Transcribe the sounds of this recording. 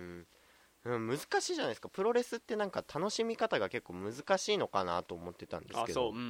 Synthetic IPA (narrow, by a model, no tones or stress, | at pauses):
ɯ̃ | ɯ̟̃mɯ̟zɨ̥kaɕiːʑanaiesɨ̥kapɯ̟ɾo̞ɾe̞sɨt̪ːe̞nãŋkat̪ʰano̞ɕimʲikat̪aɡake̞kːoːmɯ̟zɨkaɕiːno̞kana̰t̪o̞ːmo̞t̪ːe̞t̪ã̰nd̪e̞skeoː